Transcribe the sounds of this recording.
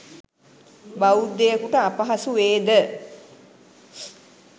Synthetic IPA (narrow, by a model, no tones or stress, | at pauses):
baud̪ejəkuʈəapəɦasuʋeːd̪ə